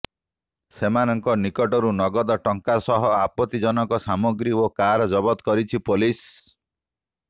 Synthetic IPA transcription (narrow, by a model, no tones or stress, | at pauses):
semanɔŋkɔnikɔʈɔɾunɔɡɔd̪ɔʈɔŋkasɔɦɔapɔt̪id͡ʒɔnɔkɔsamɔɡɾiokaɾɔd͡ʒɔbɔt̪ɔkɔɾit͡ʃʰipolis